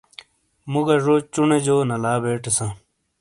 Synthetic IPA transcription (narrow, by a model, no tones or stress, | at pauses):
muɡɐʐot͡ɕuned͡ʑoːnɐlaːbeːʈesã